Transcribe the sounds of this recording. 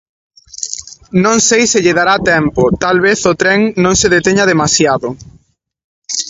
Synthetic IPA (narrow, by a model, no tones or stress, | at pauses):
nõŋsejsɪʎeðaɾat̪ɛmpot̪alβ̞eθot̪ɾɛŋnõŋseðet̪eɲað̞emasjaðʊ